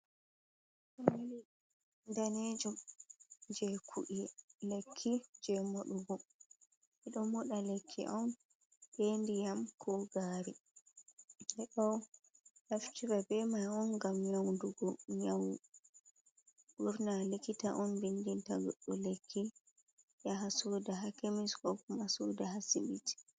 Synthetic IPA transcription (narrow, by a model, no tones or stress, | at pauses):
ʔɔali | ndaned͡ʒu | d͡ʒɛkʰṵʔilekʰːid͡ʒɛmoɗuɡɔ | ʔɛɗɔmɔɗalekʰːḭʔɔn | ɓendijamkʰɔɡaːɾi | dɛɗɔwnaft͡ʃibabɛmajɔnɡamɲawnduɡɔɲawu | buɾnalikita̰ʔɔnbindintaɡɔɗːɔlekʰːi | jaɦasuːdaɦakemiskɔkumasudaɦasimiti̥